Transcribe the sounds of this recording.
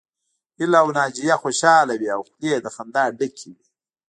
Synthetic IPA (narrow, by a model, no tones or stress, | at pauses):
ilawnaːd͡ʒijaxoʃaːlawiawxlied̪əxand̪aːɖəkʰiwi